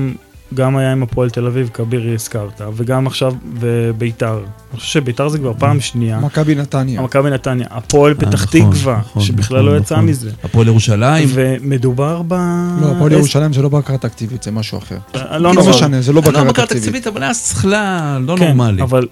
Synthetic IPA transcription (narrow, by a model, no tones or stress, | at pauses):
m | ɡamajaimapolt̪e̞lavivkabiʁiskaʁt̪aveɡamaχʃavbebeitaʁniχo̥ʃevʃebejt̪aʁzekvaʁpaːmʃniamakabinat̪anjamakabinat̪anja̰ʔapo̞lbetaχttikvaʁʃʃebiχlalːo̞jat͡samize̞apoljeʁuʃalaiveme̞d̪ubaʁbaloapoljeʁuʃalaimzelo̞bakaʁat̪akt̪ivit̪z̥emaʃua̰χḛʁlonomeʃanezelobakaʁatkaʁakt̪aikvt̪ivit̪avalajasχlaːonkoeʁnmaliaval